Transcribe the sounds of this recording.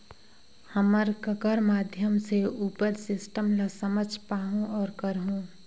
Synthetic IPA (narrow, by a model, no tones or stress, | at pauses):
həməɾkəkəɾmaːd̪ʱjəmseuːpəɾsɪsʈəmlasəməd͡ʒʱpaːɦũʔɔːɾkəɾɦũ